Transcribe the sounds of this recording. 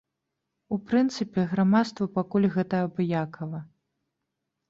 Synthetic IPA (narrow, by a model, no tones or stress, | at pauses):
upɾɨnt̪sɨpʲɛɣɾamat̪st̪vɐpakulʲɣɛt̪ɐɐbɨjakʰɐvɐ